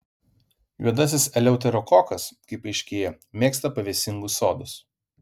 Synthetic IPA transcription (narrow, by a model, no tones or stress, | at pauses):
juɔd̪ɐsʲɪsɛlʲɛʊt̪ʲɛɾɔkɔːkɐskɐɪpɐɪʃʲkʲeːjɛ | mʲeːkst̪ɐpɐʋʲeːsʲɪŋɡʊso̰ːd̪ʊs